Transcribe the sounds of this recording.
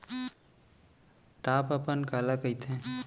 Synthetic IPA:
ʈaːpəpənkalakəɪt̪ʰẽ

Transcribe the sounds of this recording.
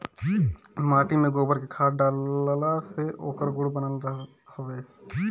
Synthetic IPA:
maːʈimẽɡoːbəɾkekʰaːɖaːlːlaseʔo̰ːkəɾɡʊɽbənəlɾ | hoeː

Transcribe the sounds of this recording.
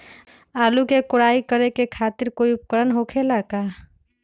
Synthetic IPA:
aːlukekʊɽaːikəɾekekʰaːt̪ɪɾkoːiʊp̚kəɾənɦokʰelakaː

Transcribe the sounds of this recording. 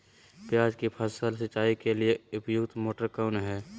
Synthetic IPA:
pjaːd͡ʒkipʰəsəlsət͡ʃːaːikelieʊpjʊkt̪moːʈəɾkaʊnɦɛː

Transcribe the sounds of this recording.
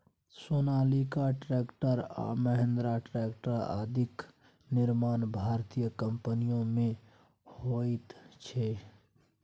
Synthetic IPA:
soːnaːlikaʈɾeːkʈəɾa̰məɦẽnd̪ɾaʈɾekʈəɾa̰d̪ʱɪk | nɪɾmaːnbʱaːɾt̪ijəkəmpənijõmẽ | hoit̪t͡ʃʰɛ

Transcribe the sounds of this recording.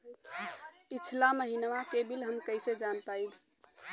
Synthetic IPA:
it͡ʃʰlaməɦinʋakebilɦəmkəjsed͡ʒanpaib

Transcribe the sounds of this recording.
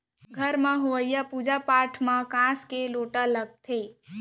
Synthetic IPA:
ɡʱəɾmãɦoʋəjapud͡ʒapaʈʰmãkãskeloʈələɡ̚t̪ʰe

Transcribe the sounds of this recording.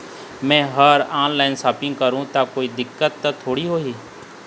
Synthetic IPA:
mɛ̃ːɦɐɾaːnlaːɪnsaːpɪ̃ŋɡ̚kɐɾũt̪akoːid̪ɪkːət̪ːət̪ʰoːɽiɦoːɦiː

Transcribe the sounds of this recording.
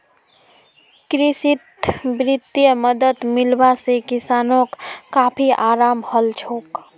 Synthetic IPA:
kɾɪʃɪt̪bɾɪt̪jəməd̪ət̪mɪlbasekɪsaːnõkːaːpʰiʔaːɾaːmhəlt͡ʃʰoːk

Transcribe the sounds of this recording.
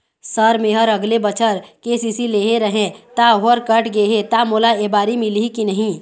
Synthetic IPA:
səɾmeːɦəɾɐɡlebət͡ʃʰəɾkeːsiːsileːɦeɾəɦẽt̪aɦoɾkəʈɡeɦet̪amoːlaebaːɾimɪlikinɐɦĩ

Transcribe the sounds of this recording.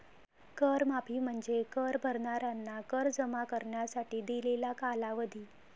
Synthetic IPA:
kəɾmapiːm̤əɳd͡zekəɾbʱəɾɳaɾjanːakəɾd͡zəmakəɾɳjasaʈiːd̪ilelakalaʋəd̪ʱiː

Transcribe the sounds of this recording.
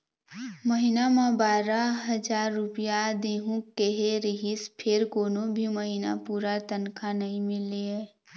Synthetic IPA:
məɦɪnamãbaːɾaɦəd͡ʒaːɾːʊpijad̪eːɦũkeɦeɾɪɦɪspʰɪɾkoːnõbʱiməɦɪna̰puːɾat̪ənkʰanɐɦĩmɪleɦɛː

